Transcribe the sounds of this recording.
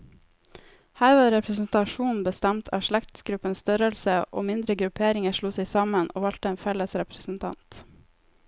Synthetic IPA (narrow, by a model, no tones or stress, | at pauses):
hæːɾʋɑːɾɛpʰɾəsn̩t̪ɑʃuːnn̩bəst̪æmt̪ʰɑ̰ːʃɭækt̪sɡɾʉpənst̪œɾəlsəʔo̰ːmɪnd̪ɾəɡɾʉpʰeːɾɪŋəʃɭuːseɪsɑməno̰ːʋɑlt̪əeːnfɛləsɾɛpɾəsn̩t̪ʰɑ̰nt̪